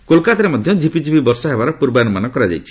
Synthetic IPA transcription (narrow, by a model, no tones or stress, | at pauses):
kolkat̪ɾemɔd̪ʱjɔd͡ʒipid͡ʒipibɔɾsɔɦebaɾɔpuɾbanumanɔkɔɾad͡ʒa̰jt͡ʃʰi̥